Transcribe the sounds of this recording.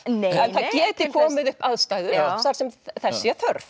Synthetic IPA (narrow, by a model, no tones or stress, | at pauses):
neɛnθaðcɛːt̪ɪkʰɔːmɪðʏhpaðst̪aːjðʏ̥θaɾ̥sɛmθɛsːɪaθœɾf